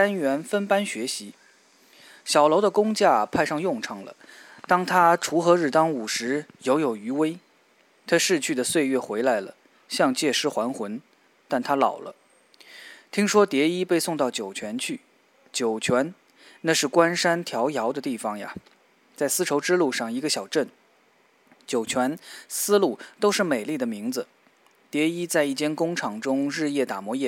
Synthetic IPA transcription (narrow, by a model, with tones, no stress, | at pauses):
a˥nɥɛ˧˥nfə˥npa˥nɕɥɛ˧˥ɕi˧˥ | ɕjɑ˨˩ʊlo˧˥ʊd̪ə˧kʊ˥ŋt͡ɕja˥˩pʰa˥˧ɪʂɑ˥˧ŋjʊ˥˩ŋʈ͡ʂʰɤ˧˩ŋlə̰˩t̪ɑ˥ŋt̪ʰa˥ʈ͡ʂʰu˧˥xɤ˧˥ɻ̩˥˩t̪ɑ˥ŋu˨˩ʂɻ̩˧˥jo˧˥ʊjo˨˩ʊy˧˥we˥ɪ | t̪ʰa˥ʂɻ̩˥˧t͡ɕʰy˥˩d̪ə˩swe˥˧ɪɥɛ˥˩xwe˧˥ɪla˧˥ɪlə̰˨ | ɕjɑ˥˧ŋt͡ɕjɛ˥˩ʂɻ̩˥xwa˧˥nxwə˧˥n | t̪a˥˩nt̪ʰa˥lɑ˨˩ʊlʔə̰˦ | t̪ʰi˥ŋʂwɔ˥t̪jɛ˧˥i˥pe˥˧ɪsʊ˥˧ŋt̪ɑ˥˩ʊt͡ɕjo˨˩ʊt͡ɕʰɥɛ˧˥nt͡ɕʰy˥˩ | t͡ɕjo˨˩ʊt͡ɕʰɥɛ˧˥n | na˥˧ʂɻ̩˥˩kwa˥nʂa˥nt̪ʰjɑ˧˥ʊjɑ˧˥ʊd̪ə˧t̪i˥˩fɑ˨˩ŋja̰˨ | t͡sa˥˩ɪsɹ̩˥ʈ͡ʂʰo˧˥ʊʈ͡ʂɻ̩˥lu˥˧ʂɑ˥˩ŋi˧˥ɡə˧ɕjɑ˨˩ʊʈ͡ʂə˥˩n | t͡ɕjo˨˩ʊt͡ɕʰɥɛ˧˥nsɹ̩˥lu˥˩t̪o˥ʊʂɻ̩˥˩me˨˩ɪli˥˩d̪ə˩mi˧˥ŋd͡zɹ̩˧ | t̪jɛ˧˥i˥t͡sa˥˧ɪi˥˩t͡ɕjɛ˥nkʊ˥ŋʈ͡ʂʰɑ˧˩ŋʈ͡ʂʊ˥ŋɻɻ̩˥˧jɛ˥˩t̪a˨˩mwɔ˧˥jɛ˥˩